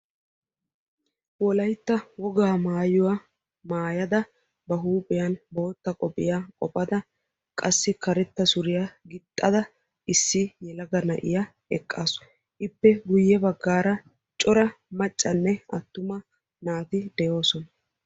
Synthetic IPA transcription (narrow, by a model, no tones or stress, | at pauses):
wɔlɐjt̪ːɐwɔɡaːmaːjʊwɐ | maːjɐd̪ɐ | bɐɦuːpʼɪjɐnbo̞ːt̪ːɐkʼɔpʼːɪjakʼɔpʼːɐd̪ɐ | kʼɐsːɪkɐɾɛt̪ːɐsʊɾɪjaɡɪt̪ʼːɐd̪ɐ | ɪsːɪjɛlɐɡɐnɐʔɪ̰jɐ | ɛkʼːaːsɔ̥ | ʔɪpːɛɡʊjːɛbɐɡːaːɾɐ | t͡ʃʼɔɾɐmɐt͡ʃʼːɐnːɛɐt̪ːʊmɐ | naːt̪ɪd̪ɛjo̞ːsɔnɐ